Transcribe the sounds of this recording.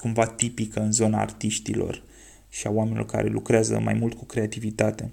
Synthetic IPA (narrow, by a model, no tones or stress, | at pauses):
kumvat̪ipikəɨnzo̞na̰ːrt̪iʃt̪ilo̞̰r | ʃiaoamenilorka̰ɾʔe̞̰lukɾeazə̰ma̰jmult̪̚kukɾe̞at̪ivit̪at̪e̞